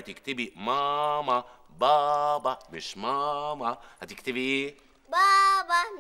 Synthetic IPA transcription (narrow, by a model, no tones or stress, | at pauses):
t̪ɪkt̪ɪbimama | baːbamɪʃmaːmahat̪ɪkt̪ɪbi | baːba